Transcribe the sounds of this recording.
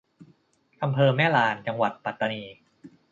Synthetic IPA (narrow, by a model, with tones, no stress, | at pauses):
ʔa˧mpʰɤː˧mɛː˥˩laː˧nt͡ɕa˧ŋwa˨˩t̪̚pa˨˩t̪ːa˧niː˧